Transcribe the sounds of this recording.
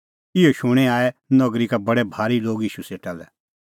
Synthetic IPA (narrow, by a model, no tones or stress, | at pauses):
ɪoʃʊɽ̃ɛaːɛnɐɡɾikabɐɽɛbʱaːɾiloːɡɪːʃuseːʈalɛ